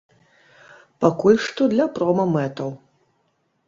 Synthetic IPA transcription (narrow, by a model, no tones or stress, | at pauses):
pakulʲʂt̪ɔd̪lʲɐpɾɔmɐmɛt̪ɐw